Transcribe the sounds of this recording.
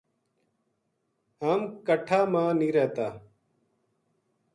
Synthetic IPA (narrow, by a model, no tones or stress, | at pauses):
ɦaːmkəʈʰaːmãːniːɾɛːt̪aː